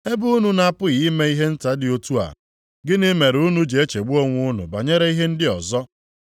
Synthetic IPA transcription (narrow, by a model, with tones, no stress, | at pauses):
e˦bu˦u˦nu˦na˨pʊ˦ɣi˨˦me˦i˦ɦe˦n̩˦ta˨˦dɪ˨o˦tu˦a̰˨ | ɡɪ˦nɪ˦me˨ɾu˦nu˦d͡ʒe˨e˦t͡ʃe˨ɡ͡bu˦o˦ŋʷʊ˦ʊ˦nʊ̰˨ba˨ɲe˦ɾe˦i˦ɦe˦n̩˦dɪ˦ɔ̰˨zɔ˦